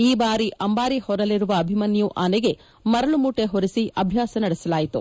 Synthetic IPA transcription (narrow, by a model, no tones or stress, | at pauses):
iːbaːɾiʔɐmbaːɾihɔɾɐliɾuʋɐːbʱimɐnjuʔaːneɡe̞ | mɐɾɐɭumuːʈeɦoɾisiɐbʱjaːsɐnɐɽisɐlaːjit̪u